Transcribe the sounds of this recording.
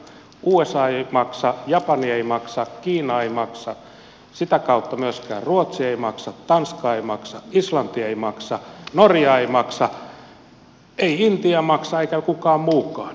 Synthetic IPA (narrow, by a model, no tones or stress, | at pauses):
uːesɑːeimɑksɑjɑpɑnieimɑksɑkiːnɑeimɑksɑ | sit̪ækɑut̪ːɑmyøskæ̰ːrruot̪sieimɑksɑtt̪ɑnskɑːeimɑksɑislɑnt̪ieimɑksɑnorjɑeimɑksɑ | eiint̪iɑmɑksɑeikækukɑːmmuːkˑɑːn